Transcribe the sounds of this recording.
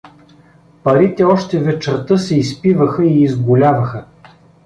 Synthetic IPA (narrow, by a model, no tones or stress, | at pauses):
pɐɾit̪ɛɔʃt̪ɛvɛt͡ʃɐɾt̪ɤsɛispivəxəiːzɡʊlʲavɐxə